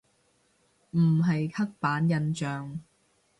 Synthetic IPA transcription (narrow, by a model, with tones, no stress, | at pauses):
m̩˨˩ɦɐ˨jkʰɐ˥k̚paː˨˥njɐ˧nt͡ʃœː˨ŋ